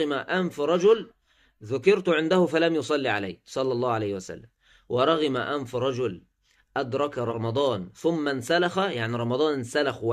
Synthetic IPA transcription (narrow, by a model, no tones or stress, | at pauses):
maʔanfɾˤɑd͡ʒʊl | ðʊkɪɾt̪ʊʕɪnd̪ahʊfalamjʊsˤɑlːiʕala̰jːsˤɑlːɑlˤːɑːhʕalajhwæsa̰lːam | wɑɾˤɑɣɪmaʔamfɾˤɑd͡ʒʊl | ʔad̪ɾˤɑkɾˤɑmɑd̪ˤɑːnθʊmːansalaxajaʕniɾˤɑmɑd̪ˤɑːnnsalaxw